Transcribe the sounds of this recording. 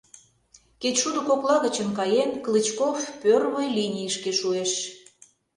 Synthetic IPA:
ket͡ɕʃud̪ŏkoklɑɣət͡ɕə̆mkɑjenklɨt͡ɕkofpørβəjlʲinʲijəʃkeʃueʃ

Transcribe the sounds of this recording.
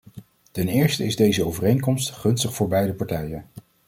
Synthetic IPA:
tɛnɪːɹstəɪzdejzəowvərejŋkɔmstχɵnstəχfʊːɹbɛjdəpɑɹtɛjən

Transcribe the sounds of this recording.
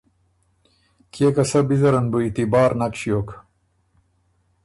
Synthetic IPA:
kekɐsɐbizɐɾɐnbuit̪ibaːɾnɐkɕijoːk

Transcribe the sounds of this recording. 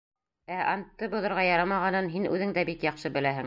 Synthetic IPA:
æʔɑnt̪ːɤbŏðŏɾʁɑjɑɾɑmɑʁɑnɤnɦinʉ̰ðɘŋd̪æbikjɑqʃɤbɘ̆læɦɘŋ

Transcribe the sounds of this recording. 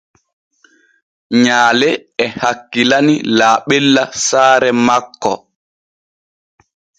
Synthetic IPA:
ɲaːlɛɛhakːilanilaːɓɛlːasaːɾɛmakːɔ̰

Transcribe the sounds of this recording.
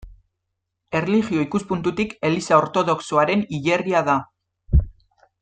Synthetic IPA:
e̞rliɣio̞ikuspunt̪ut̪ike̞lisao̞ɾt̪o̞ð̞o̞ksoaɾe̞niʎe̞riaða

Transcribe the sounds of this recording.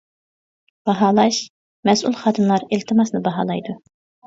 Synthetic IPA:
b̥ɑɦɑːlˠɑʃ | mɛsulˠχɑːd̪ʰɨnlˠɑɾilt̪ʰɨmɑsnɨbɑɦɑ̰ːlˠɑjd̪u

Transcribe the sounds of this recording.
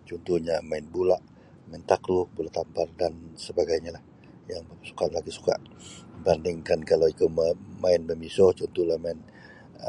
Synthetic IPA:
t͡ʃɔnt̪uhɲamaɪnbulaʔ | maɪnt̪aklubulaʔt̪ampardansəbaɡajɲalah | jaŋbəmasu̥kanlaɡisu̥ka̰ʔbandɪŋkankalawikummaɪnməmisɔht͡ʃɔnt̪uhlahmaɪn

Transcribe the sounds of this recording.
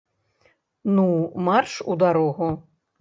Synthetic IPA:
numarʂud̪aɾɔɣu

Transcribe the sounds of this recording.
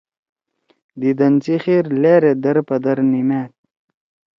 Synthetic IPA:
d̪id̪ɐnt͡siχiːɾleːɾed̪ɐɾpɐd̪ɐɾnimeːt̪̚

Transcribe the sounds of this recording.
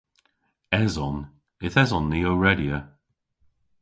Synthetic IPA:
ɛzɔn | ɪθɛzɔnːioɹɛdjə

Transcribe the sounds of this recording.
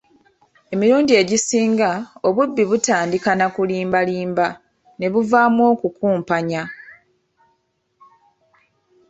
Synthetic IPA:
e̞miɾuːndie̞ɟisiːŋɡao̞βubːiβutaːndikanakuliːmbaliːmba | ne̞βuvaːmwo̞kukuːmpaɲa

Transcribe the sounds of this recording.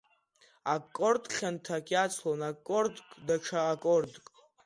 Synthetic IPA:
akʼordχʲantʰakʲʼat͡sʰlonakʼːordkʼdaʈ͡ʂʰaːkʼordkʼ

